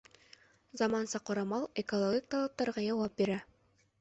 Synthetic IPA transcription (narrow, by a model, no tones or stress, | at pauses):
zɑmɑnsɑqŏɾɑmɑlˠekolˠoɡʲik̚t̪ɑlˠɑp̚t̪ɑɾʁɑjɑwɑp̚biɾæ